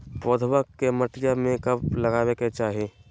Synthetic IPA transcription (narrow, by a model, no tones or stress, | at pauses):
poːd̪ʱbəkːeməʈɪjamẽkɐblɐɡaːweket͡ʃaːɦieː